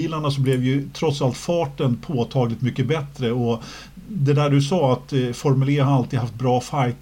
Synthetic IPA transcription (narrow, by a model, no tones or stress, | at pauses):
iːlaɳasɔblɛvjɵt̪ʰɾɔt̪salt̪fɑːʈənpʰoːt̪ʰɑːɡlɪt̪mʏkːəbɛt̪ɾəɔ | d̪ɛd̪æːɖɵsɑːat̪fɔɾmɵleːhaalt̪ʰiːd̪ɦaft̪̚bɾɑːfajt̪